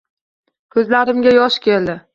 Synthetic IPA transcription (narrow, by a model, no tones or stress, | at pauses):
kʲʰɵzlaɾɪmɡʲajɒʃkʲʰeld̪ɪ